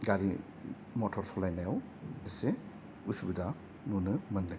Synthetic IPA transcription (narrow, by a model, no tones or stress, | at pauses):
ɡaɾi | mɔtʰɔɾsʰɔlajnajaw | ese | usubida | nunɯmɯnːɯ